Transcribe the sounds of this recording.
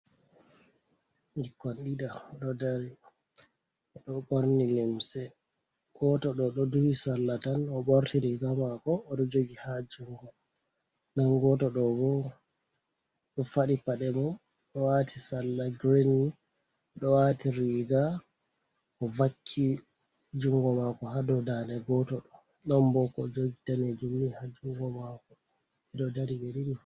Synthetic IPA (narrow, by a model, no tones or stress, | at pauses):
ɡikːɔnɗiɗaɗɔdaɾi | ɛɗɔɓoɾnilɛmsɛ | ɡɔtɔɗɔɗɔduwisalːatanɔɓoɾtʰiɾiɡamakɔːɗɔd͡ʒoɡihad͡ʒuŋɡu | nanɡɔtɔɗɔɡɔ | ɗɔfaɗipaɗɛmɔm | ɗɔwatʰisalːaɡɾini | ɗɔwatiɾiɡa | ɔvakʰːi | d͡ʒuŋɡɔmakɔhadɔdanɛɡɔtɔɗɔ | ɗɔmbɔkɔd͡ʒoɡitaned͡ʒumːihad͡ʒuŋɡɔmakɔ | ɛɗɔdaɾibeɾiɗi